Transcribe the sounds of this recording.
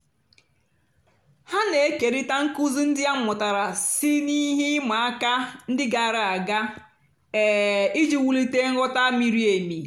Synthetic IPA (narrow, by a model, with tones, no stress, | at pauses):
ha˦ne˨e˦ke˨ɾi˦ta˦ŋ̩˦ku˦zu˦n̩˦dɪ˦a˦ŋ͡m̩˦˨mʊ˨ta˨ɾa˨si˦ni˦ɦi˦ma˨a˦ka˦n̩˦dɪ˦ɡa˨ɾa˦˨a˨ɡa˦ | e˨i˦d͡ʒi˦wu˦li˦te˦ŋ̩˦ɔ˦ta˦mi˨ɾi˦e˨mi˨